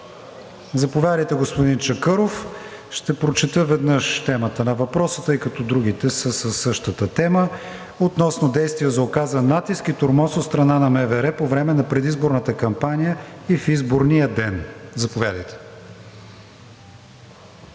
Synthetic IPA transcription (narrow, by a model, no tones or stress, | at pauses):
zɐpovʲjad̪əjt̪ɛɡospʊd̪int͡ʃɐkɤɾof | ʃt̪ɛpɾot͡ʃɛt̪əvɛd̪nəʃt̪ɛmət̪ənɐvɐpɾɔsə̥t̪ɤjkɐt̪ɔd̪ɾuɡ̟it̪ɛsəsəsːɤʃt̪ət̪ət̪ɛmə | ot̪nɔsnod̪ɛjst̪vijəzɐokazənːat̪iskit̪oɾmɔsot̪st̪ɾɐnanɐmɛvɛɾɛpovɾɛmɛnɐpɾɛd̪izboɾnət̪əkɐmpanʲijəifizboɾnijəd̪ɛnzɐpovʲjad̪əjt̪ɛ̥